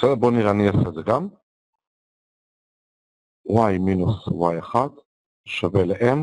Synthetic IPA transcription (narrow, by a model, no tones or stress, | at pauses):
esedeboniʁeaniasedzeɡam | wajminuswajaχad̪ | ʃaveleʔem